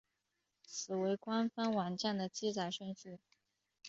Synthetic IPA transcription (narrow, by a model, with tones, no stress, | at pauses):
sɹ̩˨˩we˧˥ɪkwa˥nfa˥nwa˨˩nt͡ɕjɛ˥˩nd̪ə˩t͡ɕi˥t͡sa˨˩ɪʂə˥˧ŋt͡ɕ̩˥˩